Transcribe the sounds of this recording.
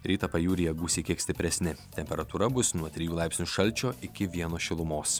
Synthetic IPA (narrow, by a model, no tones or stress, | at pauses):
ɾʲiːt̪ɐpɐjuːɾʲɪjɛɡuːsʲiːkʲiɛkst̪ʲɪpʲɾʲɛsʲnʲɪt̪ʲɛmʲpʲɛɾɐt̪uːɾɐbʊsnuɔt̪ʲɾʲɪjuːlˠɑˑɪpʲsʲnʲuːʃɐlʲt͡ʃʲoːʔɪkʲɪʋʲiɛnoːʃʲɪlˠʊmoːs